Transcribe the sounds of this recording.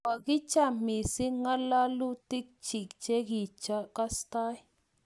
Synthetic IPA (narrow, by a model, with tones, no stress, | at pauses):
wa˨kɪ˦t͡ʃa˨mɪ˨si˦ŋa˦la˦lu˦ti˦k̚t͡ʃi˨kt͡ʃɛ˦ki˨t͡ʃa˦ka˦sta˦j